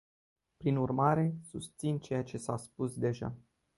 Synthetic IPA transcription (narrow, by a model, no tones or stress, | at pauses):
pɾinurmaɾe̞sust̪sint͡ʃe̞jat͡ʃe̞saspusd̪e̞ʒa̰